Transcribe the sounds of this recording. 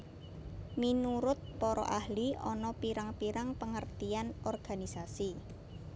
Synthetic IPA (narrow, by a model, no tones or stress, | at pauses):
minuɾʊt̪̚pɔɾɔ̰ʔahliɔnɔpiɾaŋpiɾaŋpəŋərt̪ianɔrɡ̥a̤nisasi